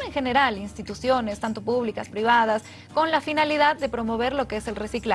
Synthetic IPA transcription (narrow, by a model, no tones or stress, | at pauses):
eŋxe̞ne̞ɾalinst̪it̪usjo̞nest̪ant̪opuβlikaspɾiβ̞að̞as | ko̞nlafinaliðaðːe̞pɾo̞mo̞β̞e̞ɾlo̞keese̞lresikla